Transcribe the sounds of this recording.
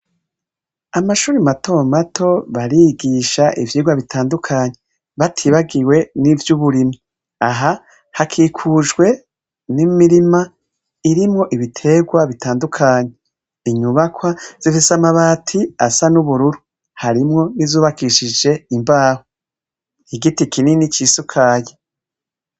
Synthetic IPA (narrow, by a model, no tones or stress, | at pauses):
amaʃuːɾimatʰomatʰo̞βaɾiɡiʃaʔḭvjiːɡwaβitʰaːndukʰaːɲe | βatʰiβaɡiwe̞nivjuβuɾima | aɦa | hakʰiːkʰuːd͡ʒɡwe̞ | nimiɾima | iɾimŋo̞ʔiβitʰe̞ːɡwaβitʰaːndukʰaːɲe | iɲuβakwaz̥ifisamaβaːtʰiasanuβuɾuɾu | haɾimŋo̞nizuːβakiʃid͡ʒe̞imbaːho | hiɡitikininit͡ʃisukʰaːje